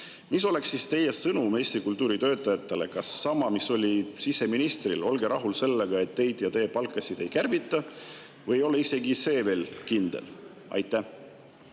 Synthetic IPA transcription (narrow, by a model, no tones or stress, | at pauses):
mis̬o̞le̞ksːist̪e̞je̞sɤnume̞ːst̪ɾikult̪ˑuːɾit̪ø̞ːt̪ːˑɑjɑt̪ːˑe̞le̞kɑsːɑmɑmiso̞lʲisise̞minist̪rilo̞lɡe̞ɾʔɑɦulse̞lːe̞ɡ̥ɑe̞t̪ːe̞jd̪̥jɑt̪e̞jepɑlkːˑɑsid̪̥e̞jkærvit̪ːˑɑ | vɤjjo̞le̞ise̞ɡise̞ːve̞ːlkind̪̥e̞̰l | ɑ̰jt̪ːˑæ